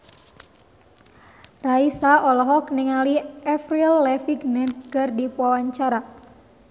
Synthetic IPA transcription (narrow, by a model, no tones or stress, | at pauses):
raisaʔɔlɔɦɔkniŋaliɛfrilːɛfiɡnɛnɡ̥ərdipwawaɲt͡ʃaɾa